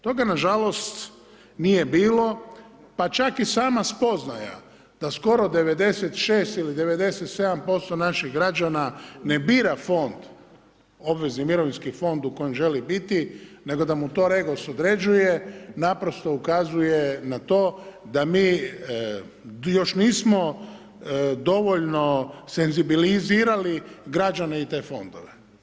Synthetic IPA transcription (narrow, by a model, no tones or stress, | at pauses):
t̪o̞ɡanaʒalo̞st̪ | nije̞biːlo̞ | pat͡ʃakisaːmaspo̞znaja̰ | d̪̥asko̞ɾo̞d̪e̞ʋe̞d̪e̞set̪ʃeːst̪ilid̪e̞ʋe̞d̪e̞set̪se̞d̪ampo̞st̪o̞naʃiɣɡɾad͡ʒanane̞biːɾafo̞nd̪ | o̞bʋe̞znimiɾo̞ʋinʲskifo̞nd̪uko̞jemʒe̞libit̪ine̞ɡo̞d̪amut̪o̞ːɾe̞ɡosod̪ɾe̞d͡ʒuje̞napɾo̞st̪o̞ukazuje̞nat̪o̞ːd̪amiː | jo̞ʃniːsmo | d̪o̞ʋoʎno̞se̞nzibiliziːɾaliɡɾad͡ʒane̞it̪e̞ːfo̞nd̪o̰ʋe